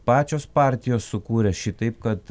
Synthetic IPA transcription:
pɑːt͡ʃʲoːspɑˑɾʲt̪ʲɪjoːssʊkuːɾʲɛʃʲɪt̪ɐɪp̚kɐt̪

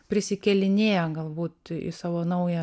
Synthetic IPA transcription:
pʲɾʲɪsʲɪkʲɛlʲɪnʲeːjɛɡɐlˠbuːt̪ɪ̰sɑːʋoːnɐʊjɛ

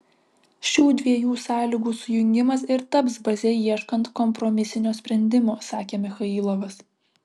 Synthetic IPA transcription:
ʃʲuːd̪ʲʋʲiɛjuːsɑːlʲiɡuːsʊjʊŋʲɡʲɪmɐs̬ɪɾt̪ɐpsbɐzʲɛjiɛʃkɐnt̪kɔmpɾɔmʲɪsʲɪnʲoːsʲpʲɾʲɛnʲd̪ʲɪmoːsɑːkʲeːmʲɪxɐiːlˠoːʋɐs

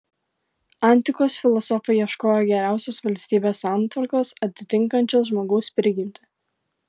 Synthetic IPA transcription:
ɑˑnʲˑt̪ʲɪkoːsfʲɪlˠɔsɔfɐɪiɛʃkoːjoɡʲɛɾʲæˑʊsʲosʋɐlʲsʲt̪ʲiːbʲeːsɑˑnt̪ʋɐɾkoːsɐt̪ʲɪt̪ʲɪŋkɐnʲt͡ʃʲoːsʒmoːɡɐʊspʲɾʲɪɡʲɪnʲt̪ʲɪ̥

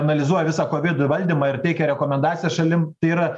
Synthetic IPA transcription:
ɐnɐlʲɪzuɔjɛʋʲɪsɑːkoːʋʲɪd̪ʊʋɐlʲd̪ʲiːmɑːɪrt̪ʲɛɪkʲɛɾʲɛkoːmʲɛnd̪ɑːt̪sʲɪjɛsʃɐlʲɪmt̪ɐɪiɾɐ

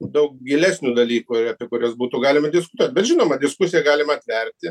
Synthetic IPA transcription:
d̪ɐwkɡʲilʲɛsʲnʲud̪ɐlʲiːkʊɪɾɐpʲɛkʊɾʲɛsbuːt̪ʊɡɑːlʲɪmɐd̪ʲɪskʊ̥t̪uɔt̪̚ʲbʲɛt̪ʒʲɪnoːmɐd̪ʲɪskusʲijɛɡɑːlʲɪmɐːt̪ʲʋʲɛrʲt̪ʲɪ

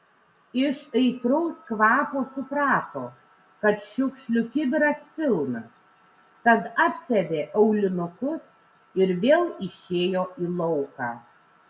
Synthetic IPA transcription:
ɪʃɐɪt̪ɾɔʊskʋɑːpoːsʊpɾɑːt̪o̰ː | kɐt̪ʃʲʊkʃʲlʲʊkʲɪbʲɪɾɐspʲɪlˠnɐs | k̪ɐt̪ɑːpʲsʲɛbʲeːʔɐʊlʲɪnʊkʊs | ɪɾʋʲeːlˠɪʃʲeːjoːʔiːlˠɔʊkɑː

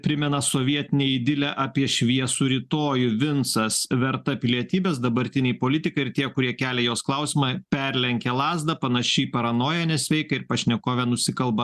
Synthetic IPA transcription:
pʲɾʲɪmʲɛnɐsoːʋʲiɛt̪ʲɪnʲɛːɪd̪ʲɪlʲɛʔɑpʲiɛʃʲʋʲiɛsuːɾʲɪt̪oːjʊʋʲɪnsɐsʋʲɛɾt̪ɐpʲɪlʲiɛt̪ʲiːbʲɛːsd̪ɐbɐɾʲt̪ʲɪnʲɛɪpoːlʲɪt̪ʲɪkɐɪɾt̪ʲiɛkʊɾʲiɛkʲæːlʲɛjoːsklˠɐʊsʲɪmɐpʲɛɾʲlʲɛŋʲkʲɛlˠɑːzd̪ɐpɐnɐʃʲɛɪpɐɾɐnoːjɛnʲɛsʲʋʲɛɪkɐɪɾpɐʃʲnʲɛkoːʋʲɛnʊsʲɪkɐlˠbɐ

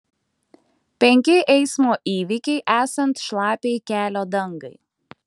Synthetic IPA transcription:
pʲɛŋʲkʲɪʔɛɪsmoːʔiːʋʲɪkʲɛɪʔæːsɐnt̪ʃlˠɑːpʲeɪkʲæːlʲoːd̪ɐŋɡɐ̰ɪ

